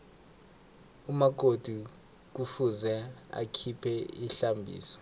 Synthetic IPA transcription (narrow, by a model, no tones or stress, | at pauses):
umak̬ʼod̥ʱu | k̬ufuzɛa̰kʰipʰɛiɬambʱḭːsɔ̥